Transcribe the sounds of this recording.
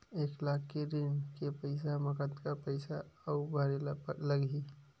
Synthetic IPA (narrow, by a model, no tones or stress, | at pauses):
eːklakʰkeɾinkepəɪsaməkət̪kapəɪsaəubʱaɾelpələɡi